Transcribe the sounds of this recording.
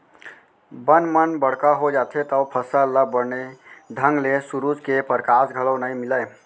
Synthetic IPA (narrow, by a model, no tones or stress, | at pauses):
bənmənbəɽ̤kaɦod͡ʒat̪ʰet̪əwpʰəsələbəɾned̪ʱəŋɡlesuɾud͡ʒkepəɾkasɡʱələwnəjmiləj